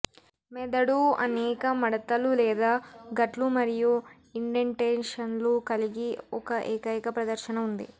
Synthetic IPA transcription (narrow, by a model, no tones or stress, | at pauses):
mɛd̪ɐɽuɐ̰nɛːkɐmɐɽɐt̪ɐlulɛːd̪aːɡɐʈlumɐɾiju | iɳɖeɳʈenʂɐnlukɐliɡiɔkɐʔeːkɐjkɐpɾɐd̪ɐɾʃɐnɐund̪ḭ